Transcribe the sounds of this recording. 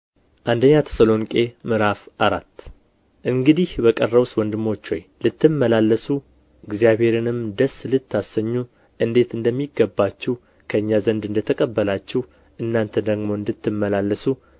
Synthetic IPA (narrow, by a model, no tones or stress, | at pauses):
ʔand̪əɲːat̪ʰə̥səlo̞ŋkʼe̞mɨɾafʔaɾat̪ː | ʔɨŋɡɨd̪ihbəkʼərːəβswɔnd̪ɨmo̞t͡ʃːo̰jlɨt̪ːɨmːəlalːəsu | ɪɡzijaβhe̞ɾɨnɨmd̪əslɨt̪ːasəɲːu | ʔɨnd̪e̞t̪ɨnd̪əmːiɡəbːat͡ʃːɛw | kʰəɨɲːazənd̪ɨnd̪ət̪ʰəkʼəbːəlat͡ʃːɛh | ʔɨnːant̪ʰəd̪əɡmo̞ɨnd̪ɨt̪ːɨmːəlalːəsu